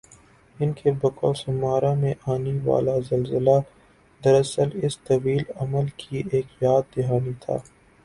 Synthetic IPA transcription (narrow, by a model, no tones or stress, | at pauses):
ɪnkʰebɐkɔ̰ːlsɐmaːɾãmẽʔaːniʋa̰ːlazɐlzəla | d̪ɐɾɐsəlɪst̪ɐwiːlɐməlkʰiʔeːkjaːd̪̚d̪ɪɦaːnit̪ʰa̰ː